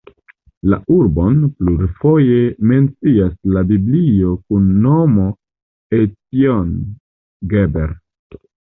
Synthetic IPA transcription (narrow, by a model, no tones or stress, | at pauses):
la̰uɾbo̞npluɾifo̞jeme̞nt͡siaslabiblio̞kunːo̞mo̞ | etion | ɡebeɾ